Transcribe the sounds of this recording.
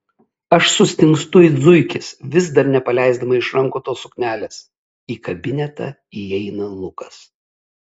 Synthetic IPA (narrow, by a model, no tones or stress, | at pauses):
ɐʃsʊsʲt̪ʲɪŋkst̪ʊid̪zʊɪkʲɪsʋʲɪzd̪ɐɾnʲɛpɐlʲɛˑɪzd̪ɐmɐɪʃɾɐŋkoːt̪oːsʊknʲæːlʲeːs | iːkɐbʲɪnʲɛt̪ɐ̰ | iɛɪnɐlˠʊkɐs